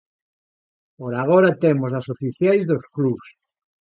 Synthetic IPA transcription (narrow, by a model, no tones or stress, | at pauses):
poɾaɣoɾat̪emos̬asofiθjajzðoskluβs